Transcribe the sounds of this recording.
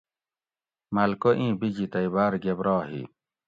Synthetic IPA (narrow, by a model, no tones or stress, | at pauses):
mɐlkoʔĩːbid͡ʑit̪ɐibaːɾɡebɾɑːɦḭ